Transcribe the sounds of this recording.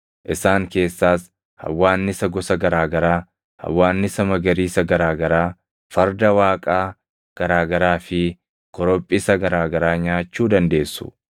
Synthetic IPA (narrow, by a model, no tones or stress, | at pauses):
ʔɪsaːŋke̞ːsːaːs | hɐ̰wːaːnːɪsɐɡɔsɐɡɐɾaːɡɐɾaː | hɐ̰wːaːnːɪsɐmɐɡɐɾiːsɐɡɐɾaːɡɐɾaː | fɐɾd̪ɐwaːkʼaː | ɡ̥ɐɾaːɡɐɾaːfɪ | kɔɾɔpʼːɪsɐɡɐɾaːɡɐɾaːɲaːt͡ʃːuːd̪ɐnd̪e̞ːsːʊ̥̰